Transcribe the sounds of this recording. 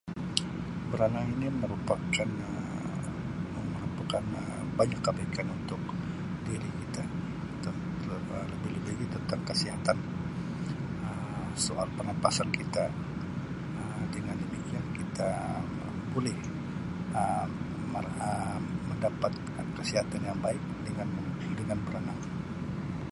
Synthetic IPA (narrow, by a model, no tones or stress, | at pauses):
kuɾaŋaŋiniməɾupakan | məɾupakanə | baɲakːəbaikanunt̪ʊk̚ | diɾikit̪a | t̪ən | ələbɪhləbɪɡit̪ənt̪aŋkəsiɦat̪an | ə | soʔalpənanpasankit̪a | əmdəŋandəmikiankit̪a | bolɪh | ə | m | əməndapat̪̚kakəsiɦat̪anjaŋbaɪk̚dəŋan | dəŋanbəɾənaŋ